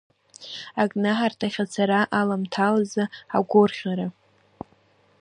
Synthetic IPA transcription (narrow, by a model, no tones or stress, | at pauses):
akʼnaħartʰaχʲat͡sʰaɾaʔalamtʰalazaa̰ɡʷʊrχʲaɾa